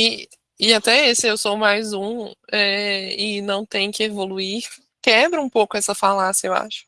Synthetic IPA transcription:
ɪ | ɪat̪ɛesɪewsomajzũɛɪnɐ̃w̃t̪ẽɲʊkɪevoluiɾ | kɛbɾɐũpowkʊɛsɐfalasjɐewa̰ʃʊ̥

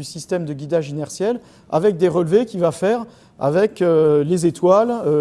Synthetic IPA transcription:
ysist̪ɛmd̪əɡʲid̪aʒinɛʁsjɛl | a̰vɛk̚d̪eʁəlvekʲivafɛʁ | a̰vɛkølezet̪walø

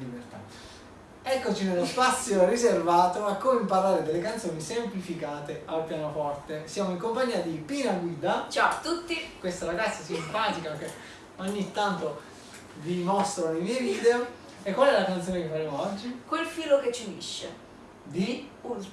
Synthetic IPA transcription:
libert̪a̰ | ɛkːot͡ʃinelospat̪sːjoriservaːt̪oakːomimpaɾaːɾed̪elːekant̪soːnisemplifikaːt̪ealpjaːnofɔrt̪esjaːmoiŋkompaɲːiːad̪ipinaɡwiːd̪at͡ʃat̪ːut̪ːikwest̪aɾaɡat̪sːasimpaːt̪ikakːɛ | oɲːit̪ːant̪o | vimɔst̪ɾonimieviːd̪eo | ekːwalɛlakant̪soːnekefːaɾemoɔd͡ʒːikwelfiːloket͡ʃːivḭʃːḛ | d̪i

